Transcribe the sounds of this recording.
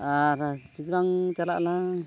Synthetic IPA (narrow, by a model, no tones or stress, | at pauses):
aɾat͡ʃit̪ɾaŋt͡ʃala̰ʔla